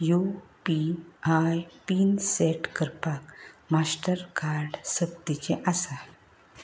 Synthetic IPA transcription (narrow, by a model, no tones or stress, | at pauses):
jupiajpiːnseʈkəɾpakmasʈəɾkaɾɖsəb̚t̪it͡ɕeʔasa